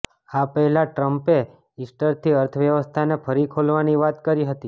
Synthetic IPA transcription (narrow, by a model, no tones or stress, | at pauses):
apəɦɛlaʈɾəmpe | ɪsʈəɾt̪ʰiəɾt̪ʰəʋjəʋəst̪ʰanepʰəɾikʰolʋaniʋat̪kəɾiɦət̪i